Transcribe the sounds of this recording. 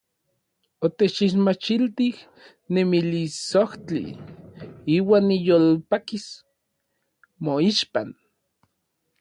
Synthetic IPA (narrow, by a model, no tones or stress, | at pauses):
ot̪et͡ʃiʃmat͡ʃilt̪ih | nemilisoht͡ɬḭ | iːwaːnːijolpakis | moiʃpan